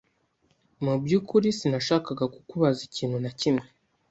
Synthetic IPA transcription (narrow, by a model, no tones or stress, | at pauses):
mubjuːkuɾisinaʃaːkaɡakukuβaziciːn̥hunacimŋe